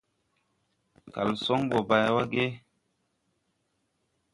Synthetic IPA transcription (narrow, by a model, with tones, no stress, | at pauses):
ka̰˨lsɔ˦ŋbɔ˨ba˨jwa˦ɡe˦